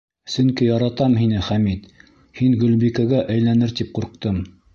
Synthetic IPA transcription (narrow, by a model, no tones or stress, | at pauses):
sɵ̆ŋkijɑɾɑt̪ɑmɦinɘχæmit̪ | hiŋɡɵ̆lbikæɡæʔæjlænɘɾt̪ip̚quɾq̚t̪ɤm